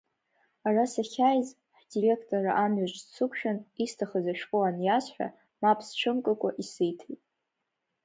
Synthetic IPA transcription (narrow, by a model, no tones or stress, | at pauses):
arasaχʲajz | ħdire̞kʰtʼoraʔamɥaʒʷzt͡sʰɨkʷʰʃᶣanistʰaχazaʃᶣqʼoanjasħᶣa̰ | mapʰst͡ʃʷʰɨmkʼɨkʷʼaʔisɨjtʰejtʼ